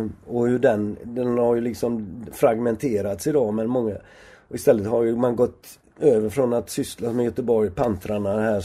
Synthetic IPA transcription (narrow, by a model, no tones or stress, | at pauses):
ɔhɵɖ̪ɛnd̪ɛnhaɾjɵlɪksɔmfɾaɡmɛnt̪ʰeːɾat̪sɪd̪ɑːmɛnmɔŋːa | ɪst̪ɛlːət̪ɦaɾjɵmanɡɔt̪ː | øːvəɾfɾɔnat̪sʏslasmɛjœt̪əbɔɾjpʰant̪ɾaɳahæː